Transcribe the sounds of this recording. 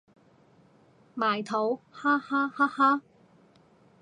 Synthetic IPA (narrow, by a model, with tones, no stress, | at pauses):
maː˨˩jt̪ʰo˨˥whaː˥haː˥haː˥haː˥